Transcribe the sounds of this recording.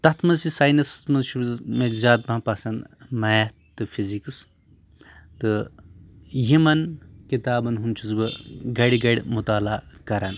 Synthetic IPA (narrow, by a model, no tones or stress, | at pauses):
t̪ɐt̪ʰmɐzsisaːjnɐst̪mɐzʃubzmetzʲaːt̪̚bãpɐsɐnmɐja | t̪ːɨfʰizikɨs | t̪ɨ | jimɐnkit̪aːbɐnɦunt͡ʃʰuzbɨɡɐɽʲɡɐɽʲmut̪aːlaːkɐɾan